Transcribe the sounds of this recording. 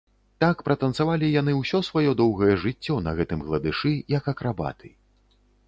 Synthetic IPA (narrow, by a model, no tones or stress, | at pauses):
t̪akpɾɐt̪ɐnsavalʲijan̪ɨwsʲɔsvajɔd̪ɔwɣɐjɛʐɨt͡sʲːɔnɐɣɛt̪ɨmɣlˠɐd̪ɨʂɨjɐkɐkɾʔaba̰t̪ʰɨ̥